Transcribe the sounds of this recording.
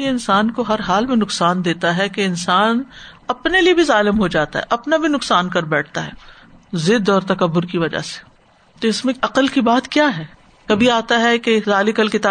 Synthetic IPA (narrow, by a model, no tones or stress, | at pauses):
jeɪnsaːnkoɦɐɾɦaːlmẽnʊqsaːnd̪eːt̪aɦɛkeɪnsaːn | ɐpneliebʱizaːlɪmɦod͡ʒaːt̪a̰ɦɛ̰ʔɐpnabʱinʊksaːnkɐɾbɛːʈ̚ʰt̪aɦɛː | zɪd̪ɔːɾt̪ɐkɐbːʊɾkiʋɐd͡ʒa̰se̥ | t̪oɪsmẽɐqəlkibaːt̪kjaːɦɛː | kɐbʱiaːt̪aɦɛkezaːlɪkɐlkɪt̪aː